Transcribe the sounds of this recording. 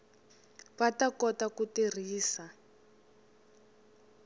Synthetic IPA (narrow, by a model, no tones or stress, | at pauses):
βatakɔtakutir̤iːsa